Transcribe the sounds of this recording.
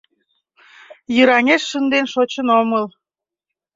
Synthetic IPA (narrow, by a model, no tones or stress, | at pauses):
jəɾɑŋeʃːənd̪enʃot͡ɕənoməl